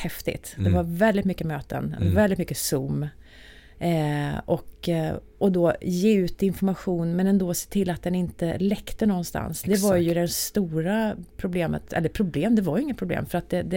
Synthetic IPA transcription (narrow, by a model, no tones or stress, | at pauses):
hɛft̪ɪ̰t̪d̪ɛvaɾvɛld̪ɪt̪mʏkːəmøːt̪ə̰nɛ̰vɛld̪ɪt̪mʏkːəsuːm | ɔk | ʔɔd̪ɔːjeːʉ̟ːt̪ɪnfɔɾmaɧuːnmɛnɛnd̪oːse̥ːt̪ʰɪlːat̪̚d̪ɛnɪnt̪əlɛkt̪ənɔɡɔnst̪a̰nsd̪ɛvaɾjɵd̪ɛst̪uːɾapʰɾʊbleːmə̰t̪ɛ̰lːəɾpʰɾʊbleːmd̪ɛvaɾjɵɪŋːət̪̚pʰɾʊblḛːmfœɾat̪̚d̪ɛd̪ɛ